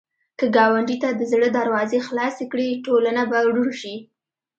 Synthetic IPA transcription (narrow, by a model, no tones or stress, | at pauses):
kəɡɑwaɳɖit̪ad̪əzɽəd̪aɾwɑzexlɑsekɽiʈolanabawɽuɽʃi